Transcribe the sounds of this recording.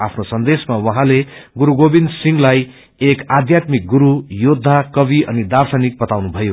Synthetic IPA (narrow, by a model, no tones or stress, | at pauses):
apʰnosʌnd̪esmawʌɦãleɡuɾuɡobind̪siŋɡlaj | ekad̪jat̪mik̚ɡuɾujod̪ʱːakʌbiʔʌ̰nid̪arsʌnik̚bʌt̪awnubʱʌjo